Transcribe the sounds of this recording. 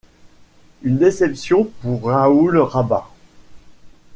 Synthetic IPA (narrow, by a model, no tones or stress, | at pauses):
ynd̪esɛpsjɔ̃puʁːaulʁaba